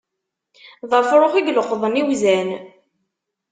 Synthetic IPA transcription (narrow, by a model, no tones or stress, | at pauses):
ðˤəfɾˤoχiɡləqːðˤəniwzæn